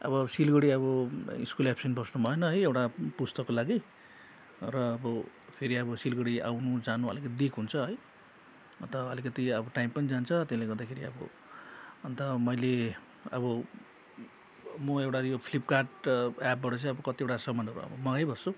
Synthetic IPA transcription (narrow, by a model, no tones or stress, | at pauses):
ʌ̰bʌsilɡʌɽiʌβʌḭskulapsinbʱʌsnubʱʌenʌɦʌjewʈapust̪ʌkːolaɡi | rʌːbʌ | pʰeɾiʌbʌsilɡʌɽia̰wnud͡zanuʌ̰likʌt̪id̪ikʰɦunt͡sʰʌɦʌj | ʌnt̪ʌɦʌlikʌt̪iʌbʌʈajmpʌnid͡zant͡sʰʌt̪eslejɡʌrd̪akʰeɾiʌ̰bʌ̰ | ʌnt̪ʌmʌjle | ʌ̰bʌ | mʌewʈajopʰlipkarʈap̚bʌʈʌt͡sʌj̃ʌbʌkʌt̪iewʈasʌmanʌɾṵʌ̰bʌ̰mʌɡajbʌst͡su